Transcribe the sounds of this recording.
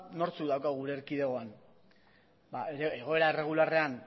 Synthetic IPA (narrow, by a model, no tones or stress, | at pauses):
no̞ɾt͡sukðawkaɣuɾe̞ːɾkiðe̞ɣo̞an | baeɾeeɣ̞o̞e̞ɾaere̞ɣ̞ulare̞an